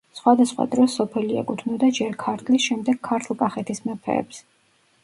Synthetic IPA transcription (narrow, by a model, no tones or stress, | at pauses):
sχwad̪asχwa̰d̪ɾɔsɔpʰɛliɛ̰kʼut̪ʰvnɔd̪ad͡ʒɛɾkʰaɾt̪ʰlisʃɛmd̪ɛɡ̥̚kʰaɾt̪ʰlˠkʼaχɛt̪ʰismɛpʰɛ̰ːps